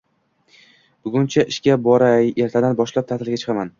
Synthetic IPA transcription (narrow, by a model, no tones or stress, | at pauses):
b̥ʊɡʲʊnt͡ʃʰaʔɪʃkʲabɒɾaje̞ɾt̪ʰad̪anbɒʃlap̚t̪ʰaɾt̪ʰɪlɡʲat͡ʃʰɨ̥qʰɑman